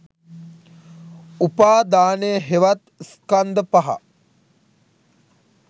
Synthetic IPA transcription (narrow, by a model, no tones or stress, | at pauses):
upaːd̪aːnejəɦeʋat̪skand̪əpaɦa̰